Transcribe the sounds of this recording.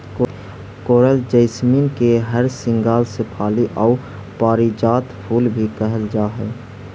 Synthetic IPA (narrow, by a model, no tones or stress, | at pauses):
k | koːɾəld͡ʒəɪsmiːnkeɦəɾsɪ̃ŋɡaːlsepʰaːliʔɔː | paːɾid͡ʒaːt̪pʰuːlbʱikəɦəld͡ʒaːɦɛː